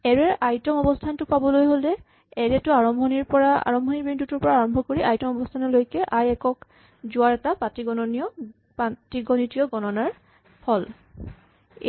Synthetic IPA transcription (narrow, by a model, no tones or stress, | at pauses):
ɛɹɛʔajtɔmɔbɔstʰantʊpabɔlojɦolɛ | ɛɹɛtʊaɹɔmbʱɔniɹpɔɹaa̰ɹɔmbʱɔnibintutuɹpɔɹaːɹɔmbʱɔkoɹiʔajtɔmɔbɔstʰanɔlojkɛʔajɛkɔk | zʊaɹɛtapatiɡɔnɔniɔ | patiɡɔnitiɔɡɔnɔnaɹ | pʰɔl